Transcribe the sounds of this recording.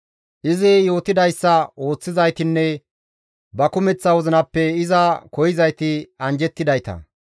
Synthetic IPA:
ʔɪzɪjo̞ːt̪ɪd̪ɐjsːɐo̞ːt͡sːɪzɐjt̪ɪnːɛ | bɐkʊmɛt͡sːɐwɔzɪnɐpːɛɪzɐkɔjɪzɐjt̪ɪɐnd͡ʒɛt̪ːɪd̪ɐjt̪ɐ̰

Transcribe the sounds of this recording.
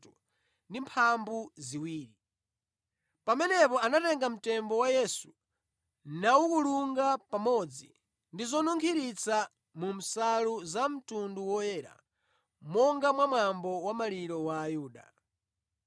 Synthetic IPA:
u | ndimpʰambuziwiːɾi | pamɛnɛpɔanatɛŋɡam̩tɛmbɔwajɛsu | nawukuluŋɡapamɔd͡zḭ | ndizɔnuŋkʰiɾit͡sʰa | mum̩saluzam̩tunduwɔjɛːɾa̰ | mɔŋɡamwamwambɔwamaliɾɔwaːjuːɗa̰

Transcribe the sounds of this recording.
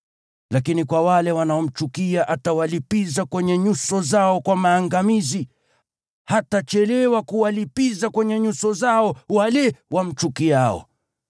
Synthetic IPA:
lakinikwawalɛwanaɔm̩t͡ʃukiaʔatawalipizakwɛɲɛɲusɔzaɔkwamaːŋɡamizi | hatat͡ʃɛlɛwakuwalipizakwɛɲɛɲusɔzaɔwalɛwam̩t͡ʃukiaɔ̰

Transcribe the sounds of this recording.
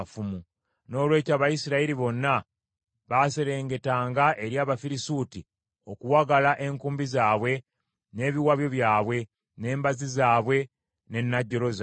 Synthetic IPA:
fumu | no̞ːlwe̞ːcaːβajisiɾaiɾiβo̞nːa | βase̞ɾe̞ːŋɡe̞taːŋɡaʔe̞ɾjaːβafiɾisuːti | o̞kuwaɡalaʔe̞ŋkuːmbizaːβwe̞ | ne̞ːβiwaβjo̞βjaːβwe̞ | ne̞ːmbazizaːβwe̞ | ne̞nːaɟːoɾoz

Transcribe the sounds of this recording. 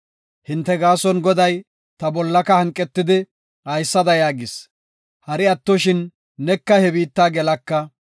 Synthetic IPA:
hɪnt̪ːɛɡaːsɔnɡɔd̪ɐj | t̪ɐbɔlːɐkɐhɐŋkʼːɛt̪ːɪd̪ɪ | hɐjsːɐd̪ɐjaːɡɪs | hɐɾɪɐt̪ːɔʃɪnː | ɛkːɐhɛbiːt̪ːaːɡɛlɐkːɐ

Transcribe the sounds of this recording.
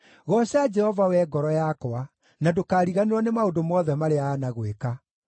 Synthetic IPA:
ɣɔɕad͡ʒɛhɔvawɛːɡɔɾɔjakɔa | nadokaːɾiɣaneɾwɔnemaondomɔðɛmaɾeaːnaɣweka

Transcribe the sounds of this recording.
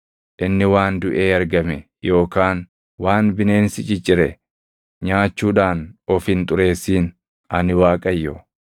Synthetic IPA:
ʔɪnːɪwaːnd̪ʊʔeːɐɾɡɐmɛ | jo̞ːkaːn | waːnbɪne̞ːnsɪt͡ʃʼɪt͡ʃʼːɪɾɛ | ɲaːt͡ʃːuːᶑaːnɔfɪnt̪ʼʊɾe̞ːsːiːn | ɐnɪwaːkʼɐjːɔ

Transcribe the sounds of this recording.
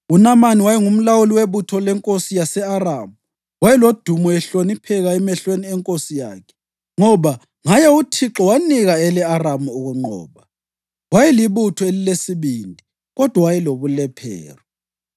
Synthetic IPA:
unamaniwajɛŋum̩lawuliweβutʰɔlɛŋkʼosijasɛaramu | wajɛlod̥ʱumɔɛɬonipʰɛɣaɛmɛɬweniɛŋkʼosija̰ːkʰɛ̥ | ŋɔβa | ŋajɛutʰiǁɔwaniɣaɛlɛaramuuɣuŋ͡ǃɔ̰ːβa | wajɛliβutʰɔelilesiβiːndʱi | ɣɔd̥ʱwawajɛloβulɛpʰɛ̰ːrɔ

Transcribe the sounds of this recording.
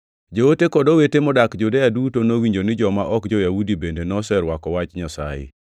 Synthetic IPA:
d͡ʒowotekɔdowetemɔdakd͡ʒudejadutonowiɲd͡ʒonɪd͡ʒɔmaʔɔkd͡ʒɔjaudibendenɔsɛɾwakɔwat͡ʃɲasa̰jḛ

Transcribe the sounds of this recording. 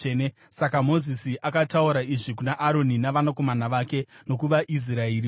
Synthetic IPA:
ne | sakamo̞zisiʔakatauɾaiʐikunaʔːɾo̞ninaʋanako̞manaʋaːke̞no̞k̬uʋaʔis̬raeɾi

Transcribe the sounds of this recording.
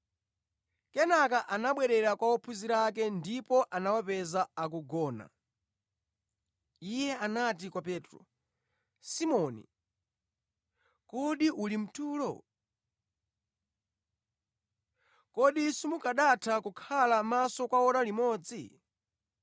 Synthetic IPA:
kɛnakaʔanaɓwɛɾɛɾakwaɔpʰuziɾak̬ɛndipɔʔanawapɛzaak̬uɡɔːna̰ | ijɛanat̬ikwapɛːtɾɔ̰ | simɔnḭ | kɔɗiʔulim̩tʰuːlɔ̰ | kɔɗisumukaɗatʰakukʰalamasɔkwaɔɾalimɔːd͡zi

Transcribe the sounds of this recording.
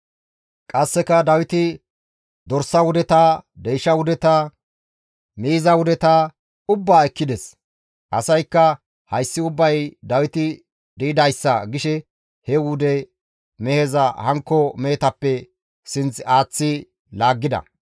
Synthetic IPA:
kʼɐsːɛkɐd̪ɐwɪt̪ɪ | d̪ɔɾsːɐwʊd̪ɛt̪ad̪ɛjʃɐwʊd̪ɛt̪ɐ | miːzɐwʊd̪ɛt̪ɐ | ʊbːaːɛkːɪd̪ɛs | ʔɐ̰sɐjkːɐ | hɐjsːɪʊbːɐjd̪ɐwɪt̪ɪ | d̪iɪd̪ɐjsːɐɡɪʃɛ | hɛwʊd̪ɛ | mɛhɛzɐhɐŋkːɔmɛhɛt̪ɐpːɛ | sɪnt͡saːt͡sːɪ | laːɡːɪd̪ɐ̰

